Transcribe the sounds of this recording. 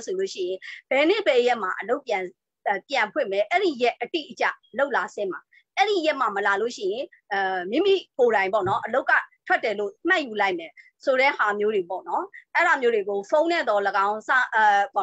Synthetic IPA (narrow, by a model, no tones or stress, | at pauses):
soloʃɪ̰jɪ̃b̥ɛnɪbɛjɛʔm̥aʔəloʊpjã | pjãmpʰwɪ̃mɛʔɛɾijɛʔʔːətḭʔət͡ɕa̰loʊʔlasɪ̃m̥a | ʔɛɹijɛʔmaməlaloʃɪ̰̃jɪ̃ | mḭ̃mḭkoɾãɪ̃mp̬ɔ̰nɔʔəloʊkːa̰tʰw̥ɛtːɛlo̰m̥ãʔjulaɪʔmɛ | soɾɛ̰hamjodepɔ̰nɔʔɛɾamjodeɡofʰõʊ̃nɛd̪ɔləɡãʊ̃sa